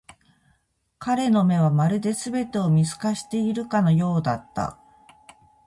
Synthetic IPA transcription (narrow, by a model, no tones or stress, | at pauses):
kaɾe̞no̞me̞β̞amaɾɯ̟d̪e̞sɨbe̞t̪e̞o̞mʲisɨ̥kaɕi̥t̪e̞iɾɯ̟kano̞jo̞ːd̪at̪ːa̰